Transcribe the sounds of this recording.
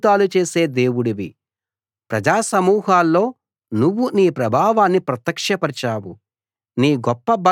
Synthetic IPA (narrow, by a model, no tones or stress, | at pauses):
d̪aːlut͡ʃe̞ːse̞ːd̪eːwuɽiʋi | pɾɐd͡ʒaːsɐmuːɦaːlːo̞ː | nuʋːuniːpɾɐbʱaːʋaːnːipɾɐt̪jɐkʂɐpɐɾt͡ʃaːwu | niːɡɔpːɐbɐ